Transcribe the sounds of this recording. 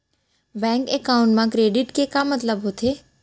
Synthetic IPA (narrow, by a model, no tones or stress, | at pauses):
bɛ̃ːŋkekaːʊ̃ɳʈmãkɾeːɖɪʈkekaːmɐt̪ləbɦot̪ʰeː